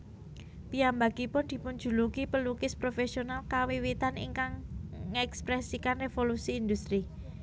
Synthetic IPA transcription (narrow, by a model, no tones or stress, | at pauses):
t̪iambaɡ̥ipʊnd̪̥i̤pun̥d͡ʒ̥ṳlukipəlukɪspɾofesionalkawiwit̪anḭŋkaŋːɛkspɾɛsikanrefolusiːnd̪ust̪ɾi